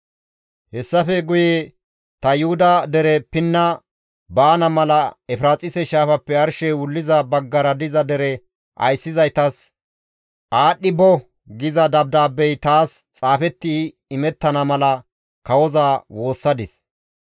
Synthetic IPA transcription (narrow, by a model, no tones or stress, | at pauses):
hɛsːɐfɛɡʊjeː | t̪ɐjʊhʊd̪ɐd̪ɛɾɛpɪnːɐ | baːnɐmɐlɐɛfɾaːt͡sʼɪsɛʃaːfɐpːɛɐɾʃɛwʊlːɪzɐbɐɡːɐɾɐd̪ɪzɐd̪ɛɾɛ | ʔɐ̰jsːɪzɐjt̪ɐs | ʔaːɗːɪbɔ | ɡɪzɐd̪ɐb̚d̪aːbːɛjt̪aːst͡sʼaːfɛt̪ːi | ɪmɛt̪ːɐnɐmɐlɐ | kɐwɔzaːwo̞ːsːɐd̪ɪs